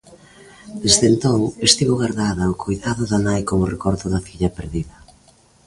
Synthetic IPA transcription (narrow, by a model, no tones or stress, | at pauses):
d̪ezðent̪oŋest̪iβoɣaɾðaðɐokʰojðaðʊðanajkomʊrekɔɾt̪ʊðɐfiʎɐpeɾðiðɐ